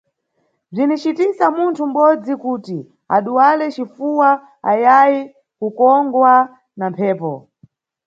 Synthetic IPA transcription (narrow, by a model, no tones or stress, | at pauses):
b͡ʐinit͡ʃitisamuntʰum̩ɓɔd͡zikuːti | a̰ɗuwalɛt͡ʃifuwa | ajaji | kukɔŋɡwa | nampʰɛːpɔ